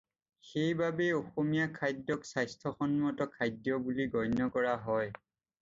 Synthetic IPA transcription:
xejbabeoxomijakʰajdjɔksajstʰɔxɔnmɔtɔkʰajdjɔbuliɡɔjnɔkɔɹaɦɔj

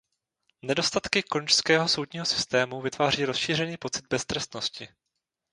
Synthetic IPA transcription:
nɛdo̞st̪at̪kɪkont͡ʃskɛːɦo̞so̞wdɲiːɦosɪ̥st̪ɛːmuvɪt̪vaːr̝iːɾo̞sʃiːr̝ɛniːpo̞t͡sɪd̪̚bɛst̪ɾɛst̪no̞scɪ

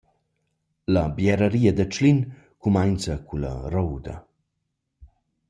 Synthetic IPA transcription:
labjɛɾəɾiːad̪ɐt͡ʃlin | kumajnt͡sɐkula̰rɔwd̪ɐ̰

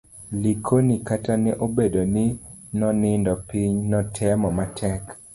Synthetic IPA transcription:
likʰonikatanɛʔobedonɪnɔnɪndɔpiɲnɔtʰɛmɔmatʰɛk

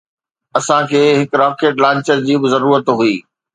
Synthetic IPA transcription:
ɐsãkʰeːɦɪkɾaːkeːʈlãːɲt͡ɕəɾd͡ʑiːbɪzɐɾuːɾət̪ɦuiː

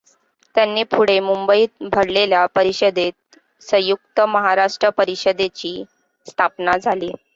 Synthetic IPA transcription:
t̪janːiːpʰuɽemumbəiːt̪̚bʱəɽleljapəɾiɕəd̪et̪̚ | sə̃juk̚t̪əməɦaɾaʂʈɾəpəɾiɕəd̪et͡ɕiː | st̪ʰapnad͡zʱaliː

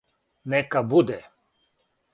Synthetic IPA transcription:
nɛkabud̪ɛ

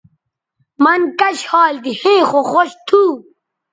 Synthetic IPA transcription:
mɐnkɐɕhɑːld̪ihẽːxoxoɕt̪ʰuː

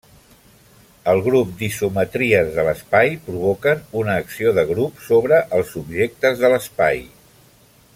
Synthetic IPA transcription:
əlˠɣɾup̚d̪isumət̪ɾiəzðələspajpɾuβokənunəːksioðəɣɾupsoβ̞ɾəʔəlˠsubʒek̚t̪əzðələspa̰j

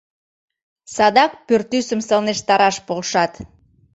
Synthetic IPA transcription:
sɑd̪ɑk̚pørt̪ysəmsəlneʃt̪ɑɾɑʃpolʃɑt̪

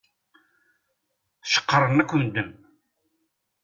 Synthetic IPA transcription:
θʃə̥qːəɾˤənækʷːənd̪əm

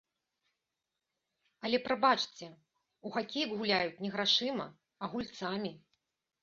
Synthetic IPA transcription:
ɐlʲɛpɾabat͡ʂt͡sʲɛ | uɣakʲejɐɡɣulʲajut͡sʲnʲɛɣɾaʂɨmɐ̰ | ɐɣulʲt̪samʲi

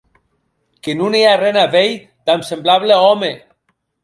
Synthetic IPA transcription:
kenunearenaβej | t̪amsemblaβleɔme

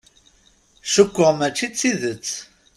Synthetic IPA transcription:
ʃəkʷːʊʁmæt͡ʃːit͡sːiðət͡sː

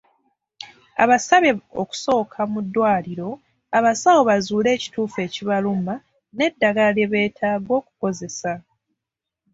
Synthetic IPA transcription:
a̰βasaβeo̞̰ku̥so̞ːkʰamudːwaːliɾo̞ | aβasawoβazuːle̞ːci̥tuːfe̞ːciβaluma | ne̞dːaɡaleβe̞ːtʰaːɡo̞ːku̥ko̞ze̞sa

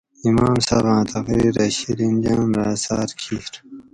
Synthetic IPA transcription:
imaːmsaːbɑ̃ːt̪ʰɐkɾiːɾɐɕiɾind͡ʑãːmɾaːsaːɾkʰiɾ

